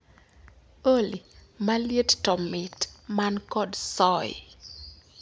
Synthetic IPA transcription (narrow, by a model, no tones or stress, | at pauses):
olimaljettɔmɪtmankɔdsɔɪ